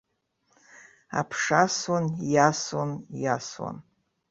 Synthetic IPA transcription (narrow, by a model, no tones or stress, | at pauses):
a̰pʰʂaswanjaswanjaswa̰n